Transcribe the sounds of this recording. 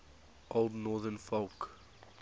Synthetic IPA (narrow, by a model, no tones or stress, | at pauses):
ʔoldnɔːðənfolk